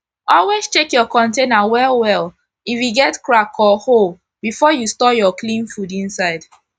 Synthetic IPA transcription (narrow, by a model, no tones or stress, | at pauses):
ɔlwez̥t͡ʃekjɔkɔ̃ntenawɛlwɛl | ifwiɡɛtkɹakʰɔhol | b̥ifɔjustɔjɔklĩnfudĩnsaɪd̥